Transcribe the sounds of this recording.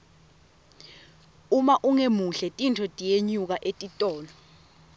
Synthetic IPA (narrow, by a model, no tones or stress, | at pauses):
umaʔuŋemuɬɛtʼintʰɔtʼijeɲuk̬aʔetʼitʼɔːlɔ